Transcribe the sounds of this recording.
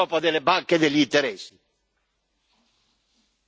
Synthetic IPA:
ɔpad̪elebaŋkeðeʎːint̪eɾɛsːi

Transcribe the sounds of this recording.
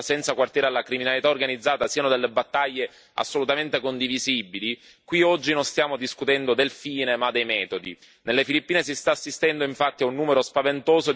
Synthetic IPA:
sɛnt̪sakwart̪jɛːɾalːakɾiminalit̪aorɡanid̪zːaːt̪asiːanod̪elːebat̪ːaʎːe | a̰sːolut̪ament̪ekond̪ivizibili | kwiɔd͡ʒːinonst̪jaːmod̪iskut̪ɛnd̪od̪elfiːnemad̪ejmɛːt̪od̪ḭ | nelːefilipːiːnesist̪aːsːist̪ɛnd̪oiɱfat̪ːiaunːuːmeɾospavent̪oːzo

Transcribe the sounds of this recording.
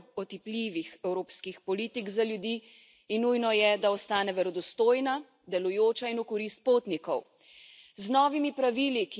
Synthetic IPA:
ɔt̪ipliːʋixɛwɾoːpskixpɔliːt̪iɡzaljud̪iː | nːujnɔjɛd̪aɔst̪aːnɛʋɛɾɔd̪ɔst̪oːjna | d̪ɛlujoːt͡ʃainukɔɾist̪̚poːt̪nikɔw | znɔːʋimipɾaʋiːlik

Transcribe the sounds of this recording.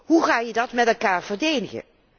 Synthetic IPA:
ɦuχaːjədɑtmɛtɛlˠkaːɹv̥əɹdejdəχə̰

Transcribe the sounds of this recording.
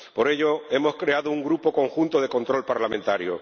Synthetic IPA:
po̞ɾe̞ʎo̞e̞mo̞skɾe̞aðouŋɡɾupo̞ko̞ŋxunt̪oð̞e̞ko̞nt̪ɾo̞lpaɾlamẽ̞nt̪aɾjo̰

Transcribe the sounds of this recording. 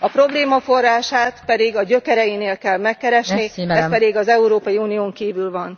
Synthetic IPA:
ɒpɾo̞bleːmɒfo̞rːaːʃaːt̪pɛd̪iɡɒɟø̞kɛɾɛjineːlkɛlmɛkːɛɾɛʃniɛspɛd̪iɡɒzɛuɾoːpɒjiuːnijoːŋkiːvylvɒn

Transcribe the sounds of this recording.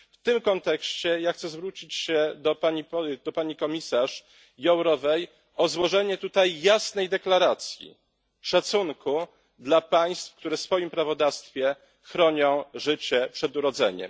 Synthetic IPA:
ft̪ɘmkɔnt̪ɛkɕt͡ɕɛjaxt̪sɛzvɾut͡ɕit͡ɕɕɛd̪ɔpaid̪ɔpaɲikɔmʲisaʂ | jɔwɾɔvɛj | ɔzwɔʐɛɲɛt̪ut̪ajːasnɛjd̪ɛklaɾat̪sʲjḭ | ʂat̪sunkʰu | d̪lapaj̃st̪fkt̪uɾɛsfɔjimpɾavɔd̪afst̪fʲjɛ | xɾɔɲɔ̃w̃ʐɘt͡ɕɛpʂɛd̪uɾɔd̪zɛ̰ɲɛ̰m

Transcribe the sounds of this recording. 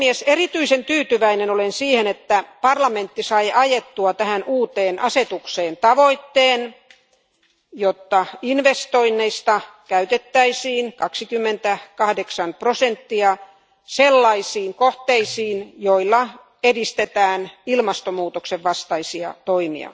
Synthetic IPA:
ieserit̪yisent̪yːt̪yʋæinenolensiːhenet̪ːæpɑrlɑment̪ːisɑiʔɑjet̪ːuɑt̪æhænuːt̪eːnʔɑset̪ukseːnt̪ɑʋoit̪ːeːn | jot̪ːɑinʋest̪oinːeist̪ɑkæyt̪et̪ːæisiːnkɑksikymːent̪ækɑhdeksɑnprosent̪ːiɑ | selːɑisiːŋkoht̪eisiːnjoilːɑ | edist̪et̪æːnilmɑst̪omuːt̪okseʋʋɑst̪ɑisiɑ̰t̪oimḭɑ̰

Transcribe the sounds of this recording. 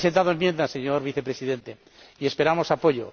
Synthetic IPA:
se̞nt̪aðoemje̞nd̪ase̞ɲo̞ɾβiθe̞pɾe̞siðe̞nt̪e̞ | ie̞spe̞ɾamo̞sapo̞ʎo̰

